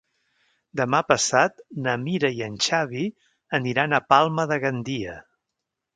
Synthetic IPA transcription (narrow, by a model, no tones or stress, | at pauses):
d̪əmapəsat̪nəmiɾəiənʲt͡ʃaβi | əniɾanəpalˠməðəɣənd̪iə